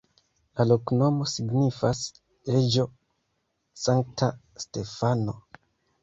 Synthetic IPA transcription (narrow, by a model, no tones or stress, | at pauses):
lalokno̞mo̞siɡnifas | ed͡ʒo̞ | saŋk̚ta | ste̞fano